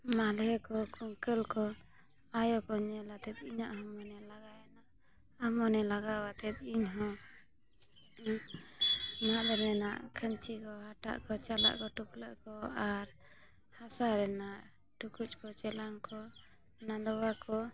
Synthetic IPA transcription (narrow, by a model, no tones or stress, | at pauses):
malɛkɔkuŋkəlkɔ | ajɔkɔɲɛlat̪ɛt̪̚iɲaʔɦɔmɔnɛlaɡajanaʔ | amɔnɛlaɡawat̪ɛt̪̚iɲɦɔ̃ | mad̪əɾɛnaʔkʰənt͡ʃikɔɦaʈa̰ʔkɔt͡ʃala̰ʔkɔʈukləʔkɔaɾ | hasaɾɛnaʔ | ʈukut͡ʃkɔt͡ʃɛlaŋkɔ | nad̪ɔwakɔ